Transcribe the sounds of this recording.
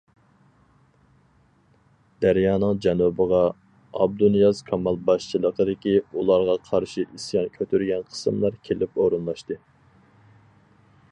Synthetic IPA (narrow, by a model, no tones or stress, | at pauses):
d̪̥æɾjɑːnəŋd͡ʒɛnubəʁɑ | ɑ̰b̚d̪unjɑzkʰɑmɑlˠbɑʃt͡ʃʰilˠəqʰəd̪ɪkʲiulˠɑɾʁɑqʰɑɾʃiʔisjɑnkʲʰøt̪ʰyɾɡʲɛnqʰə̥sɨmlˠɑɾkʲʰelɪpoɾɨnlˠɑʃt̪ɨ